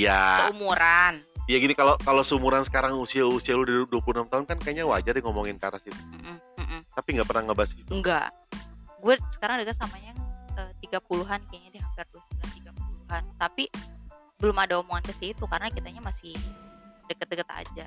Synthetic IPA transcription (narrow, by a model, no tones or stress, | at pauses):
jasəumuɾanjaɡinikalokalosəumuɾansə̥kaɾaŋusiausialudiduapulunamt̪aɦʊnkankaɲawad͡ʒadiŋomoŋɪnkaɾasit̪u̥m̩ʔm̩ʔm̩t̪apiŋɡapərnaŋəbasit̪uŋɡa̰ | ɡuɛsə̥kaɾaŋdəkət̪samaɲaət̪iɡapuluɦankɲadiɦampɪrdasulat̪iɡapuluɦant̪api | bəlʊmadaomoŋankəsiit̪ukaɾənakit̪aɲamasɪ | dəkət̪̚dəkət̪a̰d͡ʒa